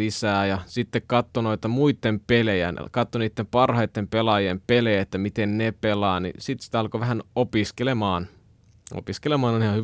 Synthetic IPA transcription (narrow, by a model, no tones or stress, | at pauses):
isæːjɑsit̪ːekkɑt̪ːonoit̪ɑmuit̪ːempelejæ̰n̰kɑt̪ːoniːt̪ːempɑrhɑjt̪ːempelɑjempelejæet̪ːæmit̪ennepelɑːnḭsit̪si̥t̪æɑlkoʋæɦænopiskelemɑːn | o̰piskelemɑːnonihɑhy